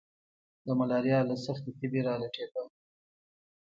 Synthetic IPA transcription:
d̪əmalɑɾjɑlasaxt̪et̪ɪbeɾɑleʈed̪ə

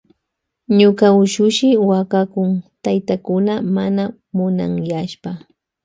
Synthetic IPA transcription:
ɲʊkaʊʃʊʃɪwakakʊŋt̪ajt̪akʊnamana | mʊna̰ŋjaʃpa

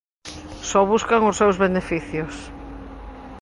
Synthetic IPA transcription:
sɔβuskaŋʊsːewzβenefiθjʊs

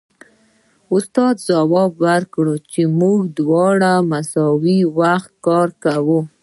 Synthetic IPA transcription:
ʊst̪ɑd̪d͡ʒawɑbwaɾkɽət͡ʃemuɡd̪wɑɽamasɑwiwaxt̪̚kɑɾkawu

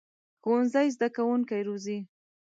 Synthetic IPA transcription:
xonzajzd̪akawuŋkajɾozi

